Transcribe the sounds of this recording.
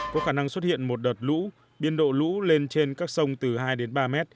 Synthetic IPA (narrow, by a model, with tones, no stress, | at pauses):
kɔ˨˦xaː˧˩na˧ŋswə˦˥t̚hḭ˧˨ənmo˨˩t̚ɗəː˨˩t̚lṵ˧˥ | ɓi˧ənɗo̰˧˨lṵ˧˥le˧nt͡ɕe˧nkaː˦˥k̚sə˧wŋ͡mt̪ɨ˨˩ɦaː˧jɗe˨˦nɓaː˧mɛ˦˥t̚